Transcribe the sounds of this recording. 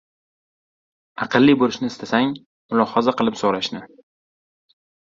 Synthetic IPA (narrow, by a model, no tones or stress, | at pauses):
ɑqʰɨlˠːibolɪʃnɪɪst̪ʰasaŋ | mʊlˠɒhɒzaqɨlˠɪpsoɾaʃnɪ